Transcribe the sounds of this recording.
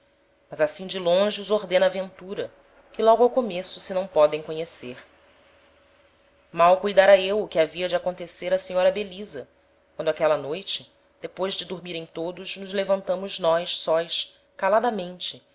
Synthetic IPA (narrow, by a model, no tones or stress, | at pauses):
mɐzasĩd͡ʒɪlõʒɪuzoɾd̪ẽnɐavẽnt̪uɾɐ | kɪlɔɡʊawkomesʊsɪnɐ̃w̃pɔd̪ẽj̃kõɲeseɾ | mawkujd̪aɾɐewʊkɪaviɐd͡ʒɪakõnt̪eseɾɐseɲɔɾɐbelizɐ | kwɐ̃nd̪ʊakɛlɐnojt͡ʃɪ | d̪̥epojzd͡ʒɪd̪uɾmiɾẽj̃t̪od̪ʊʃnʊzlevɐ̃nt̪ɐ̃mʊznɔjʃsɔjʃ | kalad̪ɐmẽnt͡ʃɪ